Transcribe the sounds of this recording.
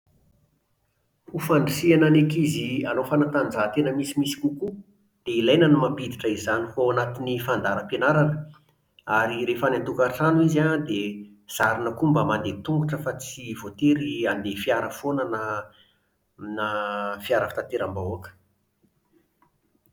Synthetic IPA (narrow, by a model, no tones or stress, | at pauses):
hufaɳɖ͡ʐisiananekizianofanat̪and͡zat̪enəmisimisi̥kuku | d̪̥eilajnənimampid̪iʈ͡ʂəizanifowanat̪inifand̪aɾəpenaɾanə̥ | aɾiɾefanat̪ukaʈ͡ʂanuizad̪e | z̥aɾinəkumbəmand̪et̪uŋɡuʈ͡ʂəfat͡sivot̪eɾiand̪efiaɾəfonənə | nafiaɾəfḁt̪at̪eɾambauakə̥